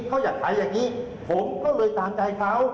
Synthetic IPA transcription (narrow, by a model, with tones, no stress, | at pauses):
kʰa˦˥˩wjaː˨˩kʰa˩˦jːaː˨˩ŋiː˦˥ | pʰo˩˦mkɔː˥˩lɤː˧jt̪aː˧mt͡ɕa˧jkʰa˦˥w